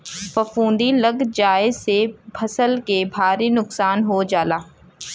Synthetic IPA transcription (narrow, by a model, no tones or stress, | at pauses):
fɐfũːnd̪ilɐɡd͡ʒaːesebʰɐsəlkebʱaːɾinʊksaːnɦod͡ʒaːlaː